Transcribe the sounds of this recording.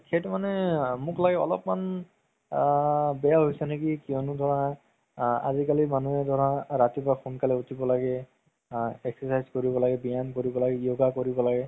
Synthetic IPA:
kʰetmanɛmʊklaɡɛɔ̰lɔ̰pman | bɛjaɦojsɛnekikiɔnʊdʱɔɹa | a̰zikalimanuɛdʱɔɹaɹatibaxunkalɛutʰibɔlaɡɛ | ɛksɔsajzkoɹibɔlaɡɛbijankoɹibɔlaɡɛioɡakoɹibɔlaɡɛ

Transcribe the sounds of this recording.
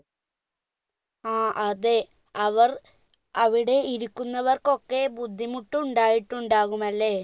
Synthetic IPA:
aːʔɐðe | ɐʋɐr | ɐʋiɽe̞iɾukːunːɐʋɐrko̞kːe̞bud̪ʱːimuʈːuuɳɖaːjiʈːuɳɖaːɣumɐlːe̞ː

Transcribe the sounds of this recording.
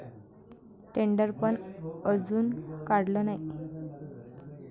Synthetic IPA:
ʈeɳɖəɾpəɳəd͡zuːnkaɽlənaj

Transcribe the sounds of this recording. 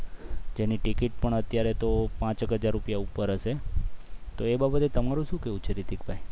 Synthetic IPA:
d͡ʒeniʈikiʈ̚pəɳət̪jaɾet̪opãt͡ʃəkɦəd͡ʒaɾːupjaupːəɾəʃe | t̪oebabət̪et̪əmaɾũʃũkeɦũt͡ʃʰeɾid̪ikbʱai

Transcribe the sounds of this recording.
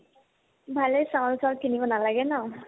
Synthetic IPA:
bʱalejsawlsɔlkʰinibɔnalaɡɛnɔ

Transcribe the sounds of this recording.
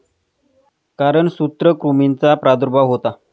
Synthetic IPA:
kaɾəɳsut̪ɾəkɾumint͡sapɾad̪uɾbʱaɦot̪a

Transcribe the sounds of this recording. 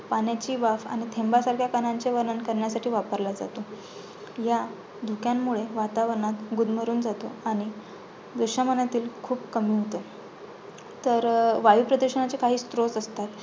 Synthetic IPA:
panjat͡ɕiːʋafa̰ɽ̃it̪ʰembasaɾkʰjakanãɲt͡ɕeʋəɾnənkəɾɳjasaʈʰiːʋapəɾlad͡za̰t̪o | ja | d̪ʱukjamːuɭeʋat̪aʋəɾəɳat̪ɡud̪ʱməɾuːnd͡zat̪o̰aɽ̃i | d͡zəɕjamənat̪iːlkʰuːbkəmiːɦot̪ə | t̪əɾʋajuːpɾəd̪əɾɕəɳat͡ɕekaɦiːst̪ɾot͡səst̪at̪

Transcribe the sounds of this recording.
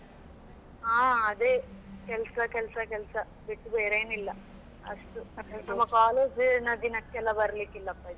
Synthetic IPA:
aːɐd̪eːkɛlsɐkɛlsɐkɛlsɐ | beʈːubeːɾeːnilːɐ | ɐ̰ʂʈunɐmːɐkaːloːd͡ʒnɐd̪inɐkːɛlːaːbɐɾɐliːkilːɐpːɐt̪e

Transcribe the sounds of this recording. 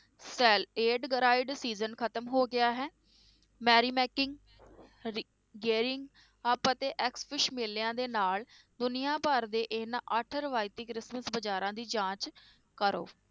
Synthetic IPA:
sɛːleːɖɡəɾaːɪɖsiːzənkʰət̪əmɦoːɡɪaːɦɛː | mɛːɾiːmɛːkɪŋɡ | ɡeːɾɪŋɡ | əpət̪eːʔɛkspʰɪʃmeːljãːd̪eːnaːl | d̪ʊnɪjãːpəɾd̪eːʔɪnaʔəʈʰɾəʋaːɪt̪iːkɾɪsməsbəd͡ʒaːɾãːd̪iːd͡ʒãːt͡ʃ | kəɾo̰ː

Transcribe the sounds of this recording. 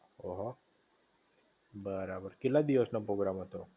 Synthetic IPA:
oɦo | bəɾabəɾkɪlːad̪iosnopɾoɡɾamɦət̪o

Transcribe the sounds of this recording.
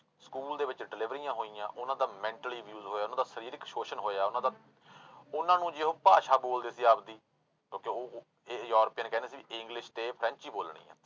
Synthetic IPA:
skuːld̪eːʋɪt͡ʃɖɪlɪʋɾijãːɦoːiːjã̰ːʔʊnãːd̪aːmɛ̃ːɳʈəliːʋjuːzɦoːjaːʊnãːd̪aːsəɾiːɾkʃoːʃənɦoːeaːʊnãːd̪aː | ʊnãːnũːd͡ʒɪɦoːpaːʃaːboːld̪eːsiːaːp̚d̪iː | kõːkeoː | eːjoːɾpiːənkɛːneːsiːiɪɪ̃ŋɡlɪʃt̪eːpʰɾɛ̃ːɲt͡ʃiːboːlɳ̃ḭːã̰ː

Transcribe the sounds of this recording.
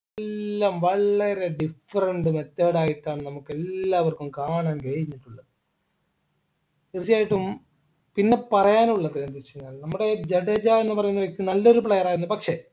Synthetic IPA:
elːaːmʋɐɭːɐɾeɖifɐɾɐɳɖɨmet̪ːeːɽaːjiʈːaːɳɨnɐmukːe̞lːaːʋɐrkumkaːɳaːnkɐɻiɲːiʈːuɭːɐðɨ | irt͡ɕːijaːjiʈːum | pinːe̞pɐrɐjaːnuɭːɐðɨkɐnd̪it͡ɕːɐɲːaːlnɐmːuɽe̞d͡ʑeɽɐd͡ʑaenːɨpɐrɐjunːɐʋɐkʲːumnɐlːo̞ɾupɭejɐraːjɾunːɐpɐkʂe̞

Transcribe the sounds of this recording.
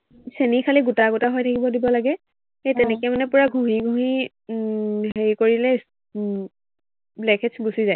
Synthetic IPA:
senikʰaliɡutaɡutaɦojtʰakibɔdibɔlaɡɛ | ejtɛnɛkɛjmanɛpʊɹaɡʱuɦiɡʱũɦi | ɦeɹikoɹilɛ | blɛkʰɛtsɡusizaj

